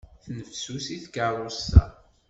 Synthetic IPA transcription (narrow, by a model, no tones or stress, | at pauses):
θnəfsusiθkəɾˤʊsːæ̰